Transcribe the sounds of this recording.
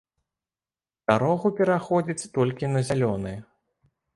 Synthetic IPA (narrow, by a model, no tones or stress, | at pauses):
st̪aɾɔɣupʲɛɾaxɔd͡zʲit͡sʲt̪ɔlʲkʲinɐzʲalʲɔnɨjɛ